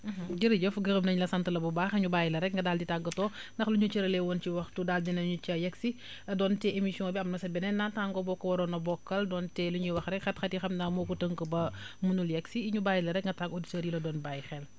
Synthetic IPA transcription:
ɟiɾɟɐfɡəɣəmnɐɲlɐsɐntɐlɐbubaːxiɲubaːjlɐɾɛk̚ŋɡɐdaːlditaɡːɐtɔːndɐxluɲut͡ʃɛɾɐlɛwɔnt͡ʃiwɐxtudaːldinɐɲut͡ʃɐjɛksi | dɔːntɛʔemisiɔ̃ŋbiɐmnɐsɐbɛnɛnataŋɡɔbɔkːɐwɐɾɔːnɐbɔkːɐldɔːntɛluɲiwɐxɾɛkxɐtxɐtixɐmdamɔkutəŋkəbɐmunuljɛksiiɲubaːjilɐɾɛkŋɡɐtaɡoditoːɾilɐdɔːnbajxɛl

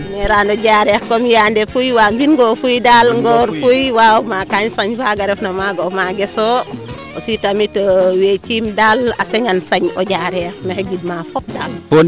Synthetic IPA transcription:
neɾaːndoɟaɾɛːxkomijaːndefujwaːmbinɡofujdaːlŋɡɔɾfujwawmakaɲsaɲfaɡaɾɛfnomaɡomaɡeso | ositamitowet͡ʃimdala̰seŋansaɲo̰ɟaːɾɛːxnexeɡid̚mafop̚daːlpo

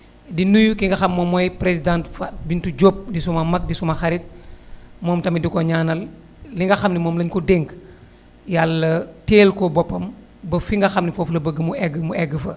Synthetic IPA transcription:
dinujukiŋɡɐxɐmːɔmːɔjpɾesidãːntfabintuɟop̚disumɐmɐk̚disumɐxɐɾit̚ | mɔːmtɐmidikɔɲaːnɐlː | iŋɡɐxɐmnimɔːmlɐɲkɔdeŋk | jalːɐteːlkɔbɔpːɐm | bɐfiŋɡɐxɐmnifɔflɐbəɡəmuɛɡːəmuɛɡːəfɐ̰

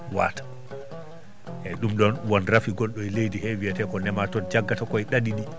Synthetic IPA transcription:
wa̰ːtḁ | ʔɛɗumɗɔnwɔnɾafiɡɔlɗɔɛlejdihɛwijatɛkɔnɛmatɔnd͡ʒaɡːatakɔjɗadiɗi

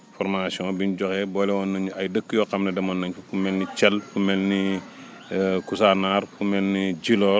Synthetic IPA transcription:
fɔɾmasiɔ̃ːbiɲɟɔxɛbɔlɛwɔnɐɲɐjdəkːjɔːxɐmnɐdɛmɔnːɐɲfufumɛlnit͡ʃɛlfumɛlni | kusanarfumɛlnid͡ʒilɔː

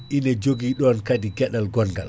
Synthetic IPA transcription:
ʔinɛd͡ʒoɡiːɗɔnkadiɡɛɗalɡɔnɡa̰l

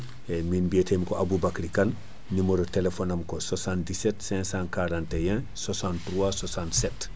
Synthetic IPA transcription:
ɛminbietemikoʔabubakɾikal | nimoɾotelefonamkososãndisɛtsɛ̃sãnkaɾãntejɛ̃ | sosãntɾuasosãntsɛt

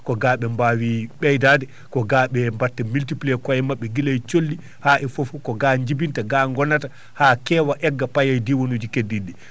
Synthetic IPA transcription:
kɔɡaːɓɛmbawiɓɛjdaːdɛ | kɔɡaːɓɛmbatːɛmiltiplekɔɛmaɓːɛɡilajt͡ʃolːi | haʔɛfofukɔɡaːɲd͡ʒibintaɡaŋɡɔnata | hakɛːwaʔɛɡːapajajdiwonud͡ʒikedːidːɛ

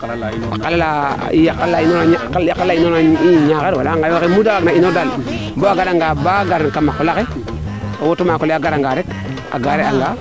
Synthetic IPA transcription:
akalala̰ | ikallainokalːainonaiɲakeɾwalaŋɡajokemudaaɡnainodal | boaɡaɾaŋɡabaɡaɾankamakolake | owotumakoleaɡaɾaŋɡaɾek | a̰ɡaɾeaŋɡa

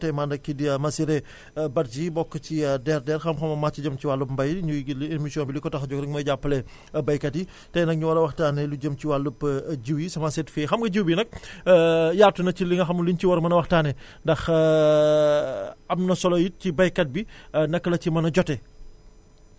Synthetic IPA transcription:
tɐjmandɐkːidimɐsiɾɛ | bɐt̚d͡ʒibɔkːət͡ʃidɛrdɛːrxɐmxɐmɐmat͡ʃiɟɐmt͡ʃiwaːlupmbɐjɲulenmisijɔ̃ːnbilikɔtɐxɟɔk̚ɾɐkmɔjɟapːəlɛ | bɐjkɐtji | tɐjnɐk̚ɲuwɐɾɐwɐxtaːnɛluɟɐmt͡ʃiwaːlupːɟiwjisɐmasɛtfeːxɐmɡɐɟiwbinɐk̚ | jaːrtunɐciliŋɡɐxɐmulinciwɐɾɐmɐnɐwɐxtaːnɛ | ndɐx | ɐmnɐsɔlɔjicibɐjkɐt̚binɐkːəlɐcimɐnɐɟɔtɛ

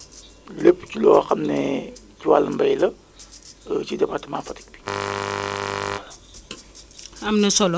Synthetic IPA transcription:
lepːcilɔːxɐmnɛ | ciwalːəmbɐjlɐ | cidɛbatimaːfɐti̥k̚bi̥ | amnɛsɔl

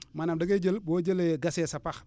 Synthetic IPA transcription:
manamdaɡed͡ʒelbod͡ʒeleɡasesapax

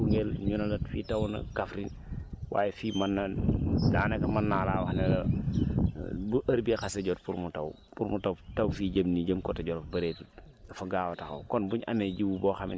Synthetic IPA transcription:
uŋɡɛlɲunɐlɐtfḭːtɐwnɐ̰kɐfɾin | wʔa̰ːjɛfiːmɐnːɐda̰ːnɛkɐmɐnːaːlaːwɐxnɛlɐ | buʔɐɾbixɐsɐɟɔtpuɾmutɐ̰w | puɾmutɐwtɐwfiːɟəmniɟəmkɔtɐɟɔɾɐfbɐɾetut̚ | dɐfɐɡaːwɐtɐxɐ̰wkɔnbuɲʔɐ̰mɛɟiwubɔːxɐmin

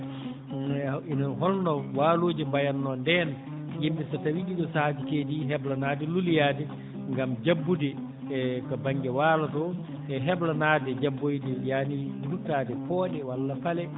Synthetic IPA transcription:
inɔɦɔlnɔwaːloːd͡ʒimbajanːɔndɛn | jimbɛsatawiɗiɗɔsahatikediɦɛblanaːdɛlulijadɛ | ŋɡamd͡ʒabːudɛ | kabaŋɡɛwaːlatɔ | ʔɛɦɛblanaːdɛd͡ʒabːojdɛjaːniduɾutaːdɛpɔːɗɛwalːafalɛ

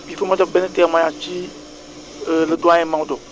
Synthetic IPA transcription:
bifemãt̪ɔbɛnẽt̪ɛamãjãt͡ʃi | led̪oãjemãwudɔ

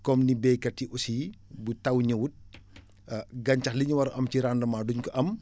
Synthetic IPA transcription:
kɔmnibɛjkɐtːiʔusibutɐwɲɐwut̚ | ɡɐɲcɐxliɲuwɐɾɐʔɐmciɾandɐmaːduɲkɔʔɐm

